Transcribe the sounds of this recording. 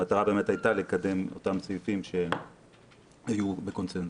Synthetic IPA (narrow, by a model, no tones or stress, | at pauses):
ataʁabe̞ːme̞tajtalekade̞mo̰tamt͡sojufimʃe̞ | ajube̞ko̞nsen